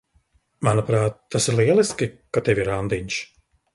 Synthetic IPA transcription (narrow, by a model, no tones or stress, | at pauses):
manapɾaːt̪ːasiɾlˠiɛlˠiskʲikat̪eviɾand̪iɲʲʃ